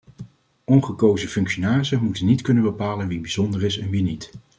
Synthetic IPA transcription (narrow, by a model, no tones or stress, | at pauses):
ʔɔnχəkowzəfɵŋkʃonaːzəmutənitkɵnəbəpaːlənʋibiz̥ɔndərɪsɛnʋinit